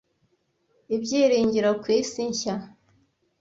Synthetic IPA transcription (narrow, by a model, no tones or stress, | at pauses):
ibɟiːɾiːɲɟiɾokwiːsiɲça